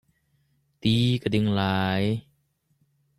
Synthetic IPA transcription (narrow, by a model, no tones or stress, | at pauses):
t̪iːkadiŋlaːj